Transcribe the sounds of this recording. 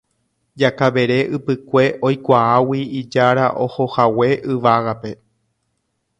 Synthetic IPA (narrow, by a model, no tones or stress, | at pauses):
d͡ʒakaʋe̞ɾe̞ʔɨpɨkʷe̞ʔo̞jkʷaawiid͡ʒaɾaʔo̞hohawe̞ʔɨʋaɣape̞